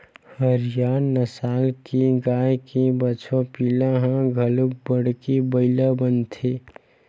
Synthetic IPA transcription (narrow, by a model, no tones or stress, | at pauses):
həɾjaːnəsaːlkeɡaːjkebət͡ʃʰõpilaɦãɡʱəlub̚bəɽkebəɪlabənt̪ʰe